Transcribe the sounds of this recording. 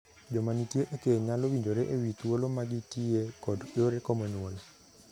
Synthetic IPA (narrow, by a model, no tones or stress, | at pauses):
d͡ʒɔmanitjeʔekeɲalowiɲd͡ʒoɾeʔewit̪wolomaɡɪtiekɔdoɾekomonwol